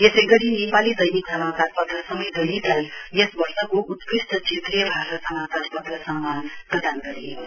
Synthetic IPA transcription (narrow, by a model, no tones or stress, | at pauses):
esʌjɡʌɽinepalid̪ʌjniksʌmataɾ̚pʌt̪rʌsʌmʌjd̪ʌjnik̪ajjesbʌrsʌkoʔut̪prisʈʌt͡sʰet̪rijʌbʱasʌtsʌmat̪aɾ̚pʌt̪rʌsʌmːʌpʌd̪anɡʌɾi